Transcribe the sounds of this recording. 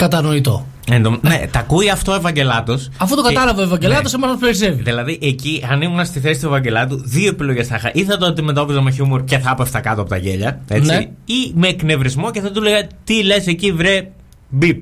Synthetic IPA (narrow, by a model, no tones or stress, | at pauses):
kɐt̪ɐno̞it̪o | end̪omnnḛt̪ɐkuiɐft̪oe̞vɐɲɟe̞lɐt̪o̞sɐfut̪okɐɐlɐvɐoevɐɲɟelɐt̪osemɐsɐspeɾiseviðilɐðiʔeciɐnimunɐst̪iθe̞si̥t̪ue̞vɐɲɟe̞lɐt̪̬uðio̞epilo̞ʝesθɐxɐ̰ʔiθɐt̪oot̪ime̞t̪o̞pizɐmeçumoɾce̞θɐɐpefst̪ɐkɐt̪oɐpo̞t̪ɐʝe̞ʎɐe̞nt͡siimekne̞vɾizmo̞ceθet̪uleɣɐt̪ile̞secivɾe | bip̚